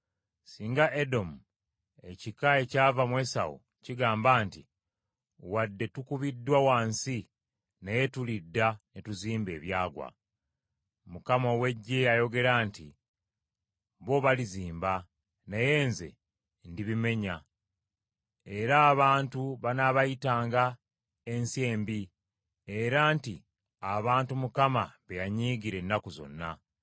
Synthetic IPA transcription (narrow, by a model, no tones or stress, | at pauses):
siːŋɡaʔe̞do̞mu | e̞cikae̞caːvamwe̞ːsa̰wṵ | ciɡaːmbaːnti | wadːe̞tukuβidːwawaːnsi | neje̞tulidːanetuziːmbe̞ːβjaːɡwa̰ | mukamowe̞ɟːejajo̞ɡe̞ɾaːntḭ | βo̞βaliziːmba | naje̞ːnze̞̰ | ndiβime̞ɲa | e̞ɾaːβaːntuβanaβajitaːŋɡa | e̞nsie̞ːmbi | e̞ɾaːnti | aβaːntumukamaβejaɲiːɡiɾe̞nːakuzo̞̰nːa